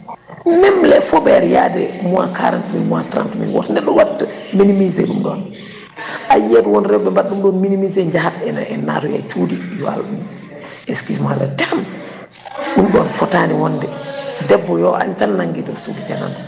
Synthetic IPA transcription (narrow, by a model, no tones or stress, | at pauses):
nɛmlɛfɔbɛɾja̰dɛ̰muwa̰ka̰ɾa̰ntumḭnmua̰tɾa̰ntumḭnwɔtndɛɗɔwatː | minimizɛ̰ɗumɗɔːn | ʔajedwɔnɾɛbɛmbaɗumɗɔːnminimizeɲd͡ʒahatɛnaɛna̰tuja̰t͡ʃuːdijɔa̰lɗum | ɛskismalɛ̰tɛm | ɗumɗɔːnfɔtaniwɔndɛdɛbːɔjɔʔa̰ɲtanːaŋɡidɔsudid͡ʒana̰n